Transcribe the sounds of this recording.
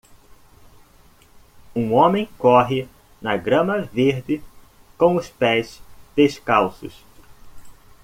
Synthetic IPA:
ũõmẽj̃kɔɦɪ | nɐɡɾɐ̃mɐveɾd͡ʒɪ | kõw̃ʊspɛsd̪̥eʃkawsʊ̰s

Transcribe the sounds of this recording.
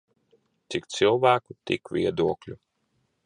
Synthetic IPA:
t̪sʲikt̪silˠvæːkut̪ḭkvʲiɛd̪uɔklʲu

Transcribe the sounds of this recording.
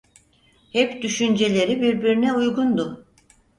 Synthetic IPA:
hɛpd̪yʃynd͡ʒe̞lʲe̞ɾibiɾbiɾinɛujɡund̪ʊ

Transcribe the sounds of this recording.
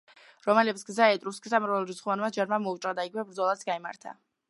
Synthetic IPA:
ɾɔmɛlɛpsɡzaɛt̪ʼɾuskʰʼisamɾvɛlˠɾisχvanmad͡ʒaɾmamɔut͡ʃʼɾad̪aiɡivɛbɾd̪zɔlˠat̪sɡaima̰ɾt̪ʰa̰

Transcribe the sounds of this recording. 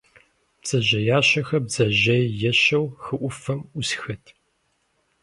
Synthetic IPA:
b̥z̥ɐʑɐjaːɕɐxɐbzɐʑɐjjɛɕɐwxɨʔʷʊfɐmʷʊsxɐtʰ

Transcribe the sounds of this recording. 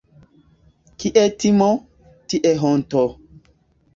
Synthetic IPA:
kiʔɛtimɔ | tiʔɛɦɔ̃n̩tɔ

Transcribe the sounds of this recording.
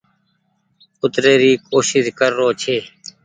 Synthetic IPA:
ʊt̪ɾeːɾiːkoːʃizkəɾːoːt͡ʃʰeː

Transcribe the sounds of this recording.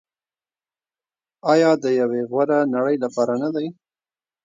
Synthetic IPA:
ɑjɑd̪əjaweɣwaɾanaɽəjlapɑɾanad̪aj

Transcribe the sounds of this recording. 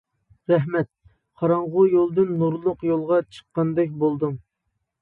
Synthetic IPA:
ɾɛɦmɛt̪̚ | qʰɑɾɑɴʁʊjolˠd̪ɨnːuɾlˠʊqjolˠʁɑt͡ʃʰə̥qːɑnd̪ɛk̬̚ʲbolˠd̪ɨŋ

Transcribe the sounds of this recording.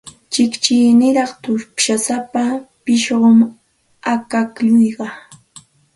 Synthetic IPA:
t͡ʃɪkt͡ʃɪjnɪɾɑχt̪ʊʃasapapɪʃɢʊm | akakʎʊjɢɑ

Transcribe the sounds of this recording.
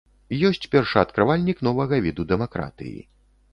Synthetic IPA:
jɔsʲt͡sʲpʲɛrʂa̰t̪kɾavalʲnʲiknɔvɐɣɐvʲid̪ud̪ɛmakɾa̰t̪ɨ̰jḭ

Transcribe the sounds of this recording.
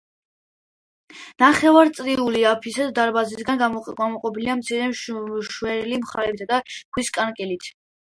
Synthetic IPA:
naχɛvaɾt̪sʼɾiuliapʰisɛd̪d̪aɾbazisɡanɡamɔqʼɔpʰiliamt̪sʰiɾɛʃwɛlimχaɾɛbisad̪akʰwiskʼankʼɛlit̪ʰ

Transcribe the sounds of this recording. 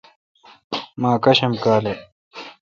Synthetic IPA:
maːkɐɕemkaːle

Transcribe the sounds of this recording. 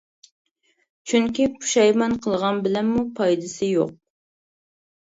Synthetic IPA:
t͡ʃʰyŋkʲipʰu̥ʃɑjmɑnqʰəlˠʁɑnbɪlɛnmupʰɑjd̪ɪsɪjo̰q̚

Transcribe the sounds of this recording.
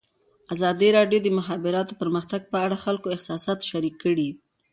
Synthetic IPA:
azɑd̪iɾɑɖjod̪əmʊxɑbɪɾɑt̪opəɾməxt̪aɡ̚pəaɽaxalkoɪxsɑsɑt̪ʃaɾikːəɽi

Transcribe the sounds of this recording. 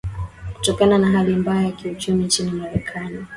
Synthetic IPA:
ku̥tɔkananaɦalimbaajakiut͡ʃumint͡ʃinimaɾɛkʰani

